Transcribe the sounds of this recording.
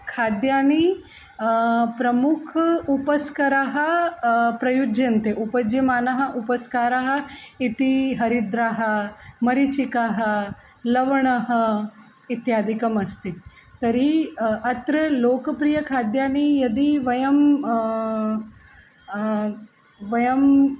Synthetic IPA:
kʰaːd̪jaːni | pɾɐmukʰupɐskɐɾaɦɐpɾɐjud͡ʒɐnt̪eʔupɐd͡ʒjɐmaːnɐɦɐ̆ʔupɐskaːɾaɦɐ̆it̪iɦɐɾid̪ɾaɦɐ̆mɐɾit͡ʃikaɦɐ̆ | lɐʋɐɳ̃ɐɦɐ̆ | it̪jaːd̪ʱikɐmɐst̪i | t̪ɐɾiɐt̪ɾɐloːkɐpɾijɐkʰaːd̪jaːnijɐd̪iʋɐjɐm | ʋɐjɐm

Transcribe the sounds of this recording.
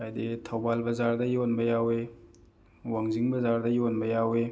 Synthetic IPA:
ajditʰɐwbalbɐzaɾdɐjonbɐjawe | waŋziŋbɐzaɾdɐjonbɐjawe

